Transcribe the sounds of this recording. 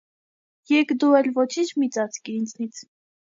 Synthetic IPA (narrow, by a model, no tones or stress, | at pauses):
jɛkd̪uɛlvɔt͡ʃʰint͡ʃʰmit͡sɑt͡sʰkiɾint͡snit͡sʰ